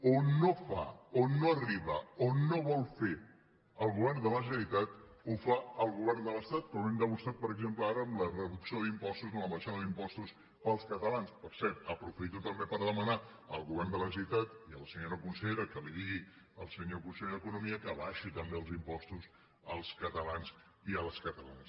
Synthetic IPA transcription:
onːofa̰onːoəriβəonːoβɔlˠfe | əlˠɣuβɛrnd̪ələʒənəɾit̪at̪ | ufaəlˠɣuβɛrnd̪ələst̪at̪̚kɾomɛmd̪əmust̪ɾat̪̚pəɾəɡzempləaɾəːmlərəðuksioðimpɔst̪uzənləβəʃaðəðimpɔst̪us | pəlˠskət̪əlanspəɾsɛɾt̪əpɾufit̪ut̪əmbepəɾðəməna | əlˠɣuβɛrnd̪ələsəit̪at̪iəlˠsəɲoɾəkunsəʎeɾəkəliðiɣi | əlˠsəɲokunsɛʎðəkunumiəkəβaʃit̪əmbeəlˠzimpɔst̪us | əlˠskət̪əlans | iələskət̪əla̰nəs

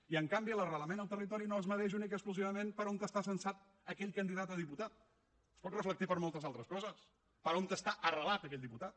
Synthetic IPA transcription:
iəŋkambiələrələmenəlˠt̪ərit̪ɔɾinoəzməðɛʒunikəkspluziβəmenpəɾont̪əst̪asənsat̪ | əkɛʎkənd̪iðat̪əðiput̪at̪̚ | əspɔt̪rəflək̚t̪ipəɾmolˠt̪əzalˠt̪ɾəskɔzəs | pəɾont̪əst̪aʔərəlat̪əkɛʎʲd̪iput̪at̪̚

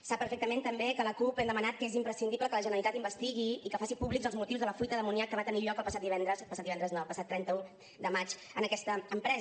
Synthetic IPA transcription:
sapːəɾfek̚t̪əment̪əmbekələkupɛnd̪əmənat̪̚kəezimpɾəsind̪ipləkələʒənəlit̪at̪imbəst̪iɣiikəfasipuβlikzəlˠzmut̪iwzðələfuit̪əðəmuniakːəβat̪əniʎɔkəlˠpəsat̪d̪iβɛnd̪ɾəzəlˠpsat̪diɛnd̪ɾəznəlˠpəsat̪ːɾɛnt̪əu | d̪əmat͡ʃ | ənəkɛst̪əːmpɾɛz

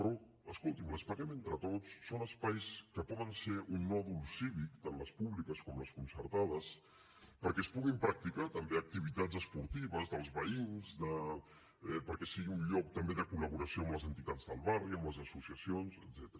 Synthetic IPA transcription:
ɾɔ | əskolˠt̪imləspəɾɛment̪ɾət̪ot͡sːonəspajskəpɔðənseɾʔunːɔðulˠsiβikt̪anləspuβlikəskɔmləskunsəɾt̪aðəs | pəɾkɛspuɣimpɾak̚t̪ikat̪əmbeək̚t̪iβit̪azəspuɾt̪iβəzðəlˠzβəinzd̪ə | ɛpəɾkɛsiɣiunʎɔk̚t̪əmbeðəkuləβ̞uɾəsioəmləzənt̪it̪ad͡zðəlˠβariəmləzəsusiəsionzəd̪zɛt̪əɾ

